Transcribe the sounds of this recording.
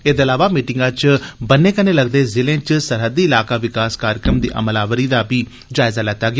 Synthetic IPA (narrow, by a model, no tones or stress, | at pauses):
eːd̪eːlaːʋaːmiːʈɪŋɡãːt͡ʃbənːẽːkəneːləɡd̪eːzɪlẽːt͡ʃsəɾɦəd̪iːɪlaːkaːʋɪkaːskaːɾjəkɾəmd̪ḭːʔə̰məlaːʋəɾiːd̪aːbiː | d͡ʒaːɪzaːlɛːt̪aːɡɪaː